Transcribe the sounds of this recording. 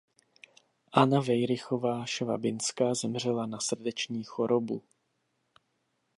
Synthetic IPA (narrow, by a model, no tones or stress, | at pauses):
ʔanavɛjɾɪxo̞vaːʃva̰bɪnskazɛmr̝ɛlanasr̩dɛt͡ʃɲiːxo̞ɾo̞bṵ